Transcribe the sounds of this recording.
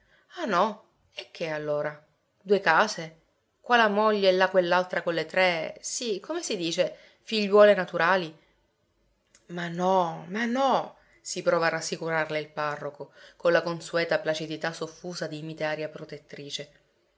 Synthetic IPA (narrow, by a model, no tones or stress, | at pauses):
anɔ | ek̟ːealːoːɾa | d̪uekaːze | kwaːlamoʎːelːakwelːalt̪ɾakolːet̪ɾɛsikʰomesid̪iːt͡ʃe | fiʎːwɔːlenat̪uɾaːli | manːɔmanːɔ | sipɾɔːvaːrːasːikuɾarleilparːokokolakonsuɛːt̪aplat͡ʃid̪it̪asofːuːzad̪imit̪eaːɾjapɾot̪et̪ːɾiːt͡ʃe